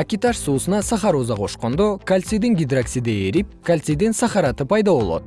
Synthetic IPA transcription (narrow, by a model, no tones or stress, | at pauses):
akʲit̪ɑʃsusənɑsɑχɑɾozɑqʰo̞ʃqond̪okʰalʲt̪sijd̪ɪŋɡʲid̪raksid̪eeɾip̚kʰalʲt̪sid̪ensɑχɑɾɑt̪əpʰɑjd̪ɑbo̞lˠɑ̰d̪ə